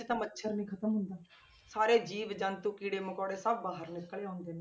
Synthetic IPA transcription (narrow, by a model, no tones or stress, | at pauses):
t̪ãmətːʃʰəɾnĩːkʰət̪əmɦʊnd̪aː | saːɾeːd͡ʒiːʋd͡ʒãːnt̪uːkiːɽeːmʊkɔːɽeːsəb̚ːaːɦəɾnɪkːəleːãːnd̪eːnẽː